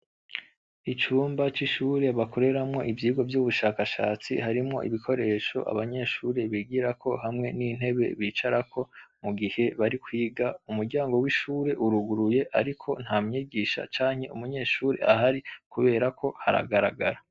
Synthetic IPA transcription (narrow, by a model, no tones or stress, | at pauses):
it͡ʃuːmbat͡ʃiʃuːɾe̞βakʰo̞ɾe̞ɾamŋo̞̰ʔivjiːɡo̞vjuːβuʃaːkaʃa̰ːt͡sḭhaɾimŋo̞̰ʔḭβikʰo̞ɾe̞ʃo̞̰ʔa̰βaɲe̞ːʃuːɾe̞βiɡiɾakʰo̞ɦamŋe̞nin̥he̞βe̞̰βiːt͡ʃaɾakʰo̞muɡihe̞βaɾikwiːɡaumuɾɟaːŋɡo̞wiʃuːɾe̞ʔuɾuɡuɾuje̞ʔaɾikʰo̞n̥hamɲiɡiːʃa̰t͡ʃaːɲhe̞umuɲe̞ːʃuːɾe̞̰ʔaɦaɾikuβe̞ːɾakʰo̞haɾa̰ɡaɾa̰ɡaɾa